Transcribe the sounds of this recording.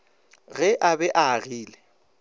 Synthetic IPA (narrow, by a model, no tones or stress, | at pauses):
ɣɛʔabɛʔaɣiːlɛ